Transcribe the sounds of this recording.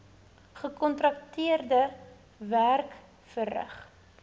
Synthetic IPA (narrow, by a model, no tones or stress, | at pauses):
χəkɔntrɐktiərdə | værk | fərə̰χ